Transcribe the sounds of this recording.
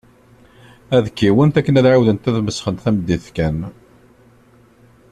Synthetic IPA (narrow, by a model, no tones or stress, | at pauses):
æðəkːiwənt̪ækːənæðʕawðənt̪æðməsχənt̪θæməd̪ːiθkæn